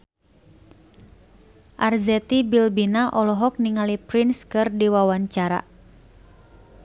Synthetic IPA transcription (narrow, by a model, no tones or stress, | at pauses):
ʔarzɛt̪ibilbinaʔɔlɔɦɔk̚niŋalipɾinskɨrdiwawaɲt͡ʃaɾa̰